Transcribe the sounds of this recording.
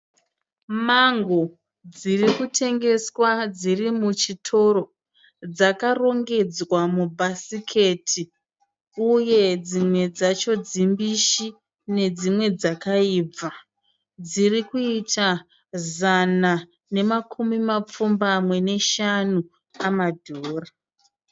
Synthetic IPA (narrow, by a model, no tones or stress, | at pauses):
maŋɡo | d͡zirikutʰe̞ŋɡe̞swad͡zirimut͡ʃitʰo̞ɾo̞ | d͡zakaro̞ŋɡe̞d͡zwamubʱasikʰe̞tʰi | uje̞d͡zimwe̞d͡zat͡ʃo̞d͡zimbiʃi | ne̞d͡zimwe̞d͡zakaiːb͡va | d͡zirikuitʰa | zana | ne̞makʰumimap͡fumbamwe̞ne̞ʃanu | amadʱoːra